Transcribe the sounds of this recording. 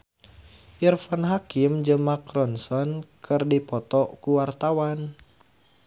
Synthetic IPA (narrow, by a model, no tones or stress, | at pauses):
ʔirfanɦakimd͡ʒɨŋmakɾɔnsɔnkʰɨrdipɔt̪ɔkuwart̪awan